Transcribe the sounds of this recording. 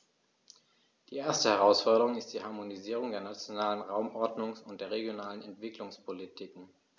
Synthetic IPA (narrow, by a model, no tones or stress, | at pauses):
d̥iːʔeːɐstəhɛʁ̞aʊsfɔɐɾəʁ̞ʊŋɪstd̥iːhaɐmoniziːʁ̞ʊŋdeːɐnat͡sjonaːlənʁaʊmʔɔɐdnʊŋsʊnt̚d̥eːɐʁeɡjonaːlənɛntv̥ɪklʊŋspʰolitʰikŋ̩